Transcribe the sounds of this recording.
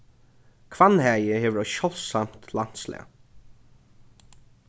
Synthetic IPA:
kʰvanhæːjəheːʋəɹɔʃɔl̥sam̥t̪lan̥t̪slɛ̰a̰

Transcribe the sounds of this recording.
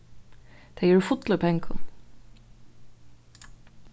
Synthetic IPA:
d̪̥eɪəɹfʊt̪ləpʰɛ̃ŋkʰə̰l̩ˠ

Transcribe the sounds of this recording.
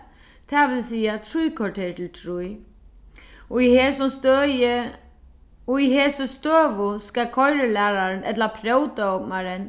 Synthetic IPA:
t̪ʰɛʋɪlsiːat̪ʰɾujkʰɔʈʰeːt̪ʰɪlt̪ʰɾuj | ɔiheːsɔmst̪øjə | ɔiɦeːsəst̪øːʋʊskakʰɔjɾəlæːɾaɾənɛt̪lapʰɾœwt̪aɔpmaɾɪn

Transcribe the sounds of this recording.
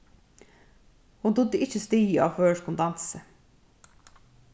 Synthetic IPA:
hund̪ʊd̪ːəɪt͡ʃəst̪iːəɑ̰ʋføːʂkʊnd̪ɑnsə

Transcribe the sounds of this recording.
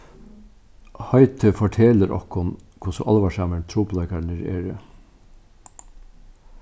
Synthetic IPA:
hɑɪt̪ʰəfɔʈʰɛːləɾʔɔ̰khʊnkʰʊsəʔɑlʋɑʃɑməɳt̪ʰɾuːplɑɪkɑɳəɾḛːɾə

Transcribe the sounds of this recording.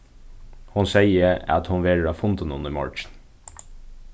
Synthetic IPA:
hʊnseɪəɑt̪hʊnʋeːɾəɾɑːfʊnt̪ənəʊ̰nd̪əɾmɑ̰ɹt͡ʃn

